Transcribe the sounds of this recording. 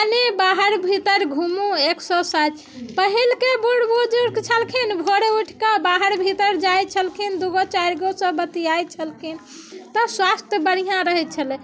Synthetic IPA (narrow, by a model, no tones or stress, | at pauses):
anebaɦəɾbʱit̪əɾɡʱumueksɔ̃sat͡ʃ | pəɦilkebuɽbud͡ʒuɾkt͡ʃʰəlkʰinbʱoɽeuʈʰkabaɦəɾbʱit̪əɾd͡ʒajt͡ʃʰəlkʰind̪uɡot͡ʃaɾɡosə̃bət̪ijaj̚t͡ʃʰəlkʰin | t̪ɔswast̪jəbəɽijãɾəɦɛt̪̚t͡ʃʰəlɛ